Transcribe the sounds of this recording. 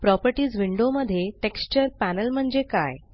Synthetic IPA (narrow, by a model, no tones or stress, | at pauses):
pɾɔpəɾʈiːd͡zʋiɳɖoməd̪ʱːjeʈekst͡ɕəɾpænəlm̤əɳd͡zeka̰j